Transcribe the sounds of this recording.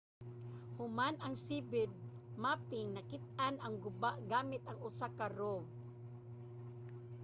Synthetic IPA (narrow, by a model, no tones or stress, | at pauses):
hʊmanɐŋsiːbɪd̪̚ | maːpɪŋnɐkɪt̪̚anɐŋɡʊbaʔɡaːmɪt̪ɐŋʊsakaɾob